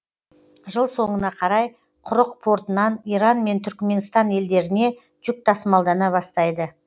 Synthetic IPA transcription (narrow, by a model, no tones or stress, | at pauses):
ʒəlˠso̞ɴənɑqʰɑɾɑj | qʰʊɾəq̚pʰo̞ɾt̪ənɑniɾɑnme̞nt̪ʰʏɾkʲme̞nst̪ɑne̞ld̪e̞ɾɪne̞ | ʒ̥ʏk̚t̪ʰɑsəmɑlˠd̪ɑnɑβɑst̪ɑjd̪ə